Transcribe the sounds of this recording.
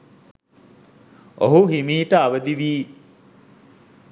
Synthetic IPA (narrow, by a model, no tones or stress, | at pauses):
oɦuɦimiːʈəaʋəd̪iʋiː